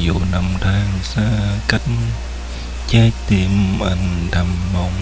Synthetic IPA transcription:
jo̰˧˨˦na˨˩mt̪aː˧ŋsaː˧ka˦˥k̚ | t͡ɕɛ˧t̪i˨˧˩əmʔa̰˧˩ŋɗa˨˩mːə˨˧˩wŋ͡m

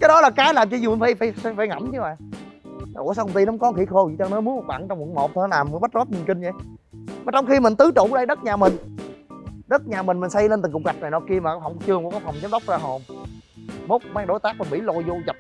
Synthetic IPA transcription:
kaː˨˦jɗɔ˨˦laː˨˩kaː˨˦jlaː˨˩mt͡ɕɔ˧zu˨˩mi˨˩nfaː˨˧˦jfaː˧˦jfa˧faː˧˦jŋə̰˧˩˦mt͡ɕɨ˨˧˦maː˨˩ŋ˨˦ | ʔo̰˧˩əsaː˧kŋ͡mt̪i˧n˨˦ŋ͡mkɔ˨˦ŋxḭ˧˩˦xo˧ḭ˨˩t͡ɕɔ˧nɔ˨˦mu˨˦əm˨˩t̚ɓa̰ː˧˩˨ŋt͡ɕɔ˧ŋ͡mkṵ˧˩˦mo˨˩t̚t̪ʰːnɔ˦laː˨˩m˨˦ɓə˦˥t̚zɔ˦˥p̚ɲi˨˩nkï˧ŋ̟zə˨˦jmaː˨˩t͡ɕɔ˧wŋ͡mxi˧mï˨˩ŋ̟t̪ɨ˨˦t͡ɕṵ˧˩˨ɗə˧jɗə˦˥t̚ɲaː˨˩mï˨˩ŋ̟ | ɗə˦˥t̚ɲaː˨˩mï˨˩ŋ̟mi˨˩ŋsa˧jle˧nt̪ɨ˨˩ŋkʊ˨ŋ͡m̚ɣa˨˩jk̚na˨˩nɔ˧˦ki˧əmaː˨˩kːfa˧˩wŋ͡mt͡ɕɨ˧əŋkːkɔ˨˦fwŋ͡mzə˨˦mɗə˦˥wk͡p̚zaː˧ɦo˧˩m | mo˦˥k͡p̚maː˧ŋɗo˨˦jt̪aː˦˥k̚ə˨˩mḭ˧˩˦lo̰˧˨jzo˧za˨˩p̚

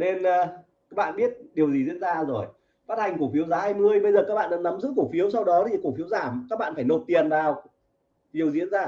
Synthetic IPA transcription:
ne˧nː˨˧ | kaː˦˥k̚ɓa̰ː˧˨nɓi˦˥ət̚ɗi˨˩əwzi˨˩zḭ˧˥ənzaː˧zo˨˩j | faː˦˥t̚ha˨˩jŋ̟ku˧˩fi˨˦əwzaː˨˦haː˧jmɨ˧əjɓə˧jzəː˨˩kaː˦˥k̚ɓa̰ː˧˨ɗa˨˧˥na˨˦mzɨ̰˦˥k̚ːu˧˩fi˨˦əwsa˧wɗɔ˨˦t̪ʰi˨˩ku˧˩fi˨˦əwzaː˧˩mkaː˦˥k̚ɓa̰ː˧˨nfaː˧˩jno˨˩t̚t̪i˨˩ənzaː˨˧˩w | i˨˩əwzḭ˧˥ənzaː˧˩

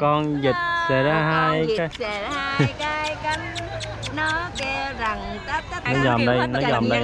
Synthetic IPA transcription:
kɔ˧nzi˨˩t̚sɛ̰˧˩zaː˧ɦaː˧jkaː˨˦jkaː˨˦jka˨˦ | nɔ˨˦ke˧za˨˩ŋ˦ | nɔ˨˦zɔ˨˩mɗə˧jnɔ˨˦zɔ˨˩mɗə˧j

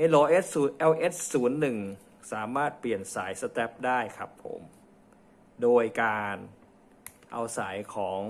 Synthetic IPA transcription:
ʔa˧lɔː˧ʔe˦˥t̪̚suː˩˦nʔɛ˧wʔe˦˥t̪̚suː˩˦nːɯ˨˩ŋ | saː˩˦maː˥˩t̪̚pli˨˩ənsaː˩˦jsa˧t̪ɛ˦˥p̚daː˥˩jkʰa˦˥pʰːo̰˩˦m | doː˧jkaː˧n | ʔa̰˧wsa˩˦jkʰɔː˩˦ŋ

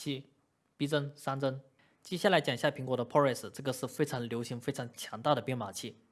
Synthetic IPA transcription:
i˥˩ | pi˥ʈ͡ʂə˥nsa˥nt͡sə˥n | t͡ɕjɛ˥ɕja˥˩la˧˥ɪt͡ɕjɑ˨˩ŋɕja˥˩pʰi˧˥ŋkwɔ˧˥d̪ə˧pʰɔ˥ɛ˥˩s̩˨˩ʈ͡ʂɤ˥˩ɡə˩ʂɻ̩˥˩fe˥ɪʈ͡ʂʰɑ˧˥ŋljo˧˥ʊɕi˧˥ŋfe˥ɪʈ͡ʂʰɑ˧˥ŋt͡ɕʰjɑ˧˥ŋt̪a˥˩ɾə˩pjɛ˥˩nma˨˩t͡ɕʰi˥˩

